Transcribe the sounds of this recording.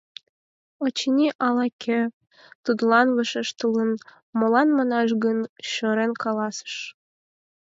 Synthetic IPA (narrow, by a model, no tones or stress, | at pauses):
ot͡ɕinʲiʔɑlˠɑkʲʰe | t̪ud̪lˠɑnvəʃəʃt̪ələn | molˠɑnmɑnɑʒɡənɕøɾenkɑlɑsə̥ʃ